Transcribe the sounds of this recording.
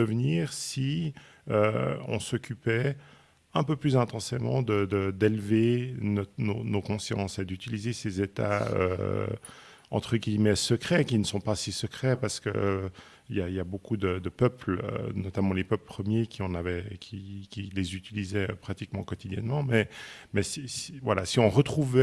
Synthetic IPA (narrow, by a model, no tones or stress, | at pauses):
əvniːʁsi | øɔ̰̃sɔkʲʰypɛ | ɛ̃pøplyzɛ̃t̪ɑ̃semɑ̰̃d̪əd̪əd̪ɛlvenɔnonokɔ̃sjɑ̰̃sed̪yt̪ilizesezet̪a̰ø̰ | ɑ̰̃t̪χəɡimɛsəkχɛkʲinəsɔ̃pasisəkχɛpaʁsə̥kə̰ | iljailjabokʰud̪əd̪əpœpl̰nɔt̪amɑ̃lepœpləpχəmjekʲʰiɑ̃navɛkʲʰikʲilezyt̪ilizɛø̰pχat̪ikmɑ̃kɔt̪id̪jɛ̰nmɑ̃mɛmɛsisivwala̰siɔ̃ʁət̪χuvɛ